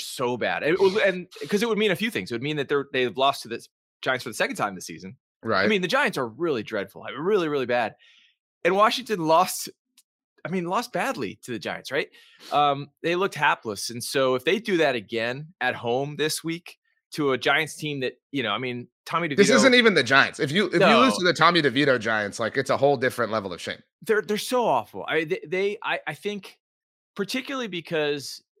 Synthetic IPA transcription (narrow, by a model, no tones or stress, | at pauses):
soʊbæ̰ɾɨ̃wɨ̃nkʰʌzɨt̚wəd̚mĩñɨfjʉθɪ̃ŋzɨt̚wɨd̚mĩnðɨt̪̚ðə˞ðeɪvlɔstʰðɨ | d̥ʒ̥ãɪɨ̃nsfə˞ðsɛkn̩tʰãɪ̃mðɨsḭzɨ̃n | ɹaɪɪmĩnðɨd͡ʒaɪɨ̃ntsə˞ɹɪlˠidɹɛd̥fl̩ˠa̰ɪɹɪlˠiɹɪlˠibæɾ̥ | ɨ̃nwɑʃɪ̃ŋtɨ̃nlɔst | aɪmĩnlɔs̚b̥ædˡlḭɾɨðɨd͡ʒa̰ɪɨ̃ntsɹaɪt̚ | ʔʌ̃mðeɪlʊk̚t̚hæpləsɨ̃n̩soʊɨfðeɪdɨðɨɾɨɡɛ̃nɨt̚hõʊ̃mðɪswik | tʰɨəd͡ʒaɪɨ̃ntstʰĩmðɨt̚jɨñoʊaɪmĩntʰɑmiɾɨvðɪsɪzɨ̃ntivɨ̃nðɨd͡ʒaɪɨ̰̃ntsɨfjɨʔɨnoɨlɪztʰɨðɨtʰɑmiɾɨvjiɾoʊd͡ʒaɪɨ̃ntslaɪkɨtsəhoʊlˠdɪfɹɨ̃nʔlɛvl̩ˠʌ̰̥ʃḛ̃ɪ̃mðə˞ðə˞soʊɔfl̩ˠa̰ɪĩnðeðeɪʔa̰ɪʔaɪθɪ̃ŋk | pʰə˞tʰɪkjl̩ˠəl̩ˠibɨkʰʌz̥